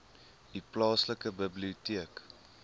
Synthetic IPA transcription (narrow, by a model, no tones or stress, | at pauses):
diplɑːsləkəbəbliutiək